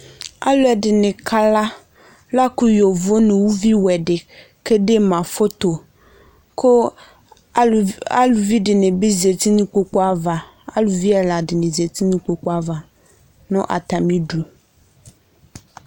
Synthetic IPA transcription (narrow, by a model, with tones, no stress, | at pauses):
a̰˦lo˦ɛ˨ɖɪ˨nɪ̃˨kʰa˦la˦ | la˦ku˦jo˨vo˦nẽ˨wu˦vi˦wɛ˨ɖɪ˨ | ke˦ɖe˦mã˨fo˦t̪o˨ | ko˦ | a̰˦lu˨vi˦ɖɪ˨nɪ̃˨be˦ze˨t̪i˦nũ˦k͡po˦k͡po˦a˦va˨ | a̰˦lu˨vi˦a˨la˨dɪ˨nɪ̃˨zi˨e˨t̪i˦nũ˦k͡po˨k͡po˦a˦va˨ | nʊ̃˦ʔa̰˨t̪a˨mĩ˦ɖu˨